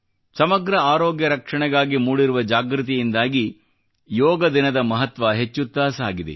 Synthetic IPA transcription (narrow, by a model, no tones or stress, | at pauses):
sɐmɐɡɾɐaːɾoːɡjɐɾɐkʂɐɳɛɡaːɡimuːɽiɾuʋɐd͡ʒaːɡɾut̪ijind̪aːɡi | jɔːɡɐd̪inɐd̪ɐmɐɦɐt̪ʋɐɦet͡ʃːut̪ːaːsaːɡid̪ḛ